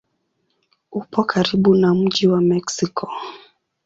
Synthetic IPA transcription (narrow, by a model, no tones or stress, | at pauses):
upɔkʰaɾiɓunam̩ʄiwamɛksikʰɔ